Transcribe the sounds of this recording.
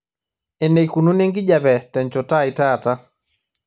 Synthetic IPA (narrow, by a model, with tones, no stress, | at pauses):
ɛ˨ne˨jku˨nu˦ne˦ŋɡi˦ʄa˨bɛ˨tɛ˨nt͡ʃɔ˨ta˦i˨ta˦˨ta˦